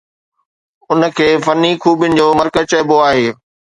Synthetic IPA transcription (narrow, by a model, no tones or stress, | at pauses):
ʊnə̆kʰeːfɐnːikʰuːbɪnɪ̆d͡ʑoːmɐɾkə̆t͡ɕɐboaːɦeː